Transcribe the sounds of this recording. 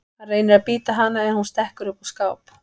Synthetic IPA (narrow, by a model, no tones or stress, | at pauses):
areːjnɪɾapiːt̪aɦanːaɛnhunst̪ɛhkʏɾʏpɔskaːwp